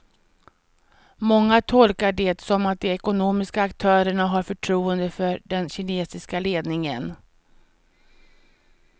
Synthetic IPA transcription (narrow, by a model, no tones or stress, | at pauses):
mɔŋːat̪ʰɔlkaɖɛt̪sɔmat̪̚d̪ɛɛkʊnoːmɪskaːkt̪ʰœːɾəɳaɦaɾfœʈʰɾuːənd̪əfœɾɖɛnɕɪneːsɪskaleːd̪nɪŋən